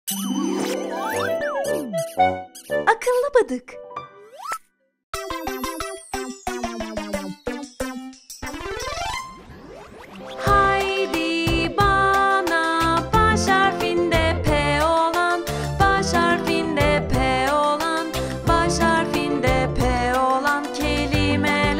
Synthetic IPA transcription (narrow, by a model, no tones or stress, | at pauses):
akʰɯlˠːɯbad̪ɯk | hajd̪ibanabaʃaɾfind̪ɛpʰɛolˠan | baʃhaɾfind̪ɛpʰɛolˠan | baʃaɾfind̪ɛpʰɛolˠancʰelʲimɛ